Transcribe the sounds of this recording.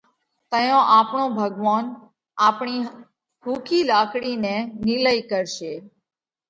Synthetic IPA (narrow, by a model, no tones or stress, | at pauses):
t̪əjõʔapɳõbʱəɡʋan | apɳ̃i | hukʰilakɽineniləikəɾʃe